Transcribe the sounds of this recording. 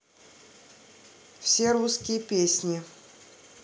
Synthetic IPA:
fsʲeɾuskʲɪjəpʲesʲnʲɪ

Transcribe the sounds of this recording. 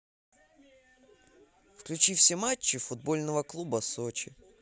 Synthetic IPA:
fklʲʉt͡ɕifsʲemat͡ɕːɪfʊd̪̚bo̞lʲnəvəklˠubəsot͡ɕɪ

